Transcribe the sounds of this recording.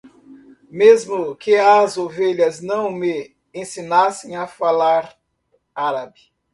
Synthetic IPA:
mezmʊkɪɐzoveʎɐznɐ̃w̃me | ẽsinasẽj̃afalaɾ | aɾabi

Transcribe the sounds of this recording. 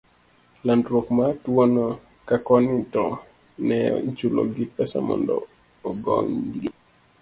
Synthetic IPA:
landɾɔkmatuwɔnɔ | kakɔnitɔ | nɛ̰d͡ʒulɔ̰ɡipɛsa̰mɔ̰ndɔ̰ː | ɡɔŋndiɡi

